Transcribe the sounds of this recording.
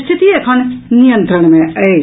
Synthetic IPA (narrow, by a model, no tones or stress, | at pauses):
st̪ʰit̪iekʰənːijənt̪ɾəɽ̃meəj